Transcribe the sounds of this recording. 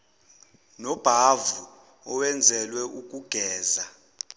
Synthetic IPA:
nɔb̥ʱavu | ɔwɛnd͡zʱɛlwɛʔukʼuɡ̥ʱɛːza

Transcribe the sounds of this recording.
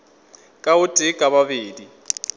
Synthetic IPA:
kʼaʊtʼɪkʼaβabeːdi

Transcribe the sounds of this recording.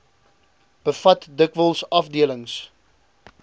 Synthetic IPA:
b̥əfɐtdəkvəlˠsɐfdiələŋs

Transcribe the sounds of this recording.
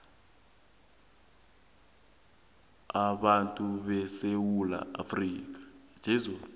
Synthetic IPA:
aɓantʼuɓɛsewula̰a̰friːk̬ḁd͡ʒ̥ʱɛzua

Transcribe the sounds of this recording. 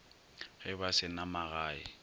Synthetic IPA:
ɣɪbasɪnamaɣaːɪ̰

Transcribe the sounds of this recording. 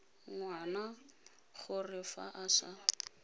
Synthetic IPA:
ŋwana | χʊrɪfa̰ʔaʃa

